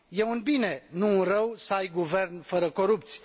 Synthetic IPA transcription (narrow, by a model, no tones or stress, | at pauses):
jeunbinenuːnrəwsəajɡuvernfəɾəkoɾup̚t̪sʲ